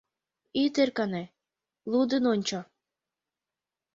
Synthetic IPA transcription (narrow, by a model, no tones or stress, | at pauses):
it̪erkɑne | lud̪ənonʲt͡ɕo